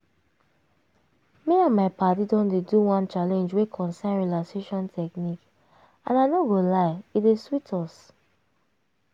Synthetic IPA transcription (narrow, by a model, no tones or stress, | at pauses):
meãnmaɪpatidɔ̃ndeduwãnt͡ʃalɛ̃nd͡ʒwekʰɔ̃nsãnɹilakseʃɔ̃ntʰɛknik | ã̰naɪnoɡolaɪideswitʰɔs